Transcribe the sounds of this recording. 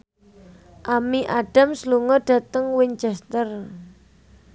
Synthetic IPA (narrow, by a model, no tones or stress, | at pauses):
ʔamiʔaɖ̥a̤msluŋɔɖ̥ä̤t̪əŋwɪŋt͡ʃɛst̪ər